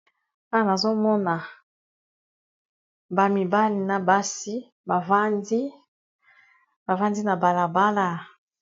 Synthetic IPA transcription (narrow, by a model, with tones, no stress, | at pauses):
a˦wa˦na˨zo˦mɔ˦na˨ | ba˨mi˨ba˦li˨na˨ba˦si˦ | ba˨va˦ndi˦ | ba˨va˦ndi˦na˨ba˨la˨ba˦la˦